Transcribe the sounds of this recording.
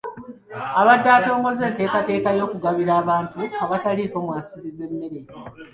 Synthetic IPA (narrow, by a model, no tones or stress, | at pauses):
aβadːaːto̞ːŋɡo̞ze̞ːnte̞ːkate̞ːkajo̞ːkuɡaβiɾaːβaːntuaβataliko̞mwaːnsiɾize̞mːeɾe